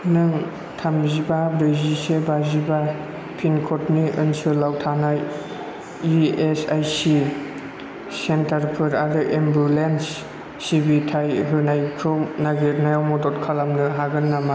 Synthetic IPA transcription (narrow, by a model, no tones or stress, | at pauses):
nɯŋ | tʰamzibabɾɯzisɯbaziba | pʰinkʰɔtniɯnsɯlawtʰanaj | iesajsi | sentaɾpʰɯɾaɾɯʔembɾulensː | ibitʰajɦɯnajkʰɾɔmnaɡenajawmɔdɔtkʰalamnɯɦaɡɯnːama